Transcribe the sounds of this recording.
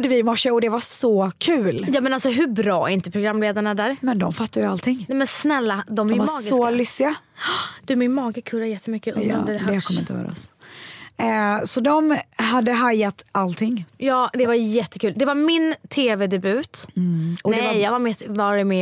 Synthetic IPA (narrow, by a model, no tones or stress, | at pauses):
d̪əvɪmɔʂːəɔd̪ɛvasɔkʰʉ̟ːljɑːmɛnalsɔɦɵbɾɑːɛ̰ɪnt̪əpʰɾʊɡɾamːleːd̪aɳad̪æːɾmɛnd̪ɔmfat̪ːajalt̪ʰɪŋɛmɛnsnɛlːad̪ɔmaɑːɡɪsɔlʏsːɪaɑd̪̥ʉːmɪnmɑːɡəkʰɵɾajɛt̪ːəmʏkːə̰ɔ̰d̪əd̪ɛd̪ɛakʰɔm̰ːɪnt̪ə̰hœ̰ɾa̰ɔ̰s | sɔd̪ɔmɦad̪ːəɦajːat̪alt̪ʰɪŋːjɑːd̪ɛvaɾjɛt̪ːəkʰʉːld̪ɛvaɾmɪnt̪ʰeːvɛd̪ɛbʉ̟ːt̪ʔɔd̪ɛɛjjɑːɡvaɾmɪtvɑːɾɪmeː